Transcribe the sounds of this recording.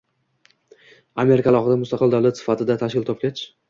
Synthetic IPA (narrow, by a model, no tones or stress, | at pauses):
ame̞ɾɪkʰʲalˠɒχɨd̪amʊst̪ɑqɨld̪awlat̪sɪ̥fat̪ʰɪd̪at̪ʰaʃkʲɪlt̪ʰɒp̚kʲet͡ʃʰ